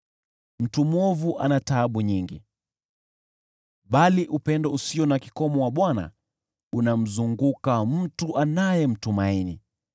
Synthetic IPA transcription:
m̩tumɔvuʔa̰nataːɓuɲiŋɡḭ | ɓaliʔupɛndɔusiɔnaki̥kɔmɔwaɓwana̰ | unam̩zuŋɡukam̩tuʔanajɛm̩tumaini

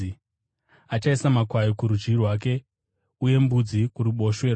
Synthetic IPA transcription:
at͡ʃaisamakwajokuɾud͡ʒirwaːk̬e̞ | uje̞mbud͡zikuɾiɓo̞ʃwe̞

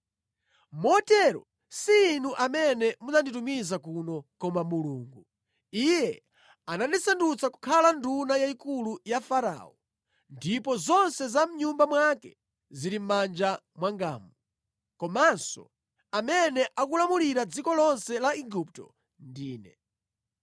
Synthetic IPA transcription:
mɔtɛɾɔ̰ | siːnuʔamɛnɛmud͡zanditumizakunɔkɔmamuluːŋɡu | ijɛ | anandisandut͡saku̥kʰalandunajaikulujafaɾa̰ːɔ | ndipɔzɔnsɛzam̩ɲumbamwakɛ | ziɾim̩mand͡ʒa | mwaŋɡa̰ːmu | kɔmansɔ̰ | amɛnɛʔakulamuliɾad͡zikɔlɔnsɛlaiɡup̚tɔ̰ | ndiːnɛ

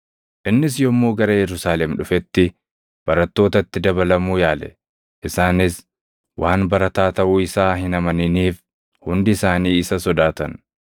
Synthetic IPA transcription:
ʔɪnːɪs̬jɔmːuːɡɐɾɐjɛɾʊsaːlɛmᶑʊfɛt̪ːɪ | b̥ɐɾɐt̪ːo̞ːt̪ɐt̪ːɪd̪ɐbɐlɐmuːjaːlɛ̰ | ʔɪsaːnɪs | wʔaːnbɐɾɐt̪aːt̪ɐʔuːɪsaːhɪnɐmɐnɪniːf | hʊnd̪ɪɪsaːniːɪsɐsɔd̪aːt̪ɐn

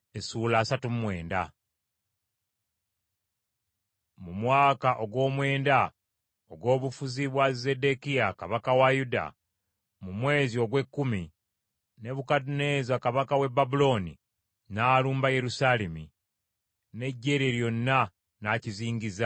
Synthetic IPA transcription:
esuːlaːsatumumwe̞ːnda̰ | mumwaːkaʔo̞ɡwo̞ːmwe̞ːnda | oɡwo̞ːβufuziβwaze̞dekijakaβakawajuda̰ | mumwe̞ːzio̞ɡwe̞kːumi | ne̞βukadune̞zakaβakawe̞bːabulo̞ːnḭ | naːluːmbaje̞ɾusaːle̞mi | ne̞ɟːe̞ɾeɾjo̞nːa | naciziːŋɟiza

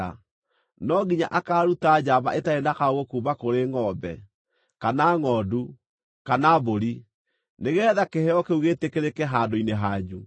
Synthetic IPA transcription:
a̰ | nɔɡiɲa̰ʔakaːɾutad͡ʑaːβa̰ʔetaenakaoɣokuːβakoɾeŋɔbɛ̰ | kanaːŋɔdu | kanaːβoɾi | neɣɛːðakehɛɔkeuɣetekeɾekɛɦaːdoineɦaɲu

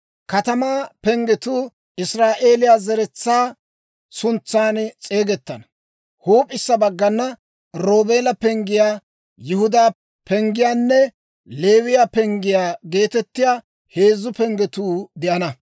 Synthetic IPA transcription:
kɐt̪ɐmaːpɛŋɡɛt̪uː | ɪsɾaːʔeːlɪjaːzɛɾɛt͡sːaː | sʊnt͡sːaːnt͡sʼe̞ːɡɛt̪ːɐnɐ | huːpʼɪsːɐbɐɡːɐnːɐ | ɾoːbeːlɐpɛŋɡɪjaː | jɪhʊd̪aː | pɛŋɡɪjaːnːɛ | le̞ːwɪjaːpɛŋɡɪjaːɡe̞ːt̪ɛt̪ːɪjaː | he̞ːzːʊpɛŋɡɛt̪uːd̪ɪʔɐnɐ

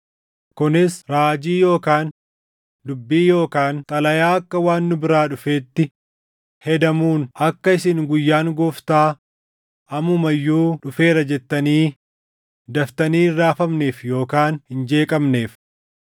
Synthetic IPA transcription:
kʊnɪsɾaːd͡ʒiːjo̞ːkaːn | d̪ʊbːiːjo̞ːkaːnt̪ʼɐlɐjaːɐkːɐwaːnːʊbɪɾaːᶑʊfe̞ːt̪ːɪ | hɛd̪ɐmuːnɐkːɐɪsɪŋɡʊjːaːŋɡɔft̪aː | ɐmʊmɐjːuːᶑʊfe̞ːɾɐd͡ʒɛt̪ːɐniː | d̪ɐft̪ɐniːrːaːfɐmne̞ːfjo̞ːkaːnhɪnd͡ʒe̞ːkʼɐmne̞ːf

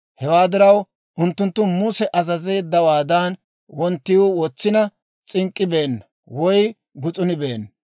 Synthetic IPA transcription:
hɛwaːd̪ɪɾɐw | ʔʊnt̪ːʊnt̪ːʊmuːsɛʔɐzɐze̞ːd̪ːɐwaːd̪ɐn | wɔnt̪ːɪuwɔt͡sːɪnɐ | t͡sʼɪŋkʼːɪbe̞ːnː | wɔj | ɡʊt͡sʼʊnɪbeːnː

